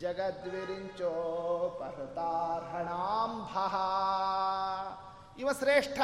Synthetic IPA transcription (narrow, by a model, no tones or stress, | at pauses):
d͡ʒɐɡɐt̪ʋiɾiɲt͡ʃoːpɐɾt̪aːɾɦɐɳaːmbʱaɦɐ | iʋɐsɾeːʂʈʰɐ